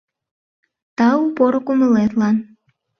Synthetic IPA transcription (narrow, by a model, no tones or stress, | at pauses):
t̪ɑupoɾokumə̆let̪lɑn